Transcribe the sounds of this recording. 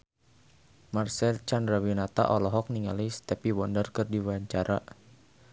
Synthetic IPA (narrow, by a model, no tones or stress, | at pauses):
marsɛlt͡ʃandrawinat̪a̰ʔɔlɔɦɔk̚niŋalist̪ɛpiwɔndərkɨrdiwaɲt͡ʃaɾʔa